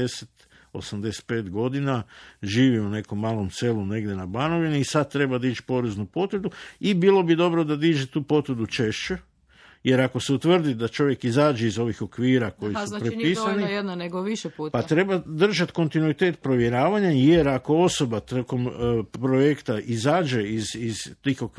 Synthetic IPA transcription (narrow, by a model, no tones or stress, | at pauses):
eset̪ | o̞̰samd̪e̞se̥t̪̚pe̞ːt̪ɡo̞d̪inaʒiːʋiune̞ko̞mːaːlˠo̞mse̞lune̞ɡd̪je̞nabano̞ʋiniːsad̪̚t̪ːɾe̞bad̪ait͡ʃpo̞ɾe̞znupo̞t̪ʋɾd̪uibilˠo̞bid̪o̞bɾo̞d̪ad̪iːd͡ʒet̪uːpo̞t̪ʋɾd̪ut͡ʃe̞ʃt͡ʃe | je̞ɾako̞se̞ut̪ʋr̩d̪id̪at͡ʃo̞ʋje̞kizaːd͡ʒe̞izo̞ʋixo̞kʋiːɾako̞jisuapɾeisanijed̪naneɡoʋiʃɛpuːpat̪ɾe̞bad̪r̩ʒat̪ko̞nt̪inuit̪e̞ːt̪̚pɾo̞ʋje̞ɾaːʋaɲaje̞ɾako̞o̞so̞bat̪oko̞mpɾo̞jekt̪aʔizaːd͡ʒe̞iziz̥t̪ixok